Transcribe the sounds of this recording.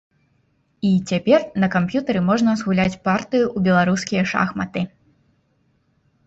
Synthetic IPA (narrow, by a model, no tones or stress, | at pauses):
it͡sʲapʲɛrnɐkampjut̪ɐɾɨmɔʐnɐzɣulʲat͡sʲpart̪ɨjuːbʲɛlˠaɾuskʲijɐʂa̰xmɐt̪ɨ